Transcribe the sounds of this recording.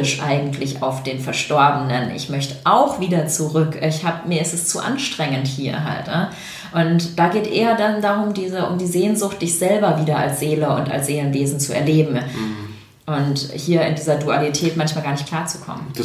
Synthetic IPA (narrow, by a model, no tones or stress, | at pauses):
ɪʃʔa̰ɪɡŋ̩tʰlɪça̰ʊfd̥eːnfɛɐʃtɔɐbənənʔɪ̰çmœçtəʔaʊxv̥iːdɐt͡suʁʏkçhaːbəmiːɐɪstɛst͡suːʔa̰nʃtʁ̥ɛŋənthiːɐɦa̰ltnə | ʔʊntd̥aːɡeːtʔeːɐdandaʁʊmdiːzəʔʊ̰mdiːzeːnzʊxt̚d̥ɪçz̥ɛlbɐviːdɐa̰lsz̥eːləʊ̰nta̰lsz̥eːlənveːzn̩t͡suɛ̰ɐleːbm̩ | ʔʊnthiːɐɪ̰ndiːzɐdualitʰɛːtmançmaːlɡaːɐnɪçt̚kʰl̥aːɐt͡su̥kʰɔ̰mən